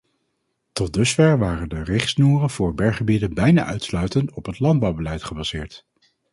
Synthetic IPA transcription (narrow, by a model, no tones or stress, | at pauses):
tɔdɵsfɛɹʋaːrəndərɪχsnuːrənvʊːɹbɛɹχəbidənbɛjna̰ːʔœɥtslœɥtəntɔpɦətlɑnd̚bɑwbəlɛjtχəbɑz̥ɪːɹt